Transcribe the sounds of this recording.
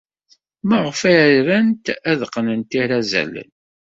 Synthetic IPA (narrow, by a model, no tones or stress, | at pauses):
məʁfæɾænt̪æðəqːnənt̪iɾæzæ̰lə̰n